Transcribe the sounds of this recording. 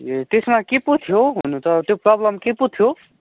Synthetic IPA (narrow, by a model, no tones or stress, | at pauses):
t̪esmakeput̪ʰjoɦunut̪ʌt̪joprʌblʌmkeput̪ʰjo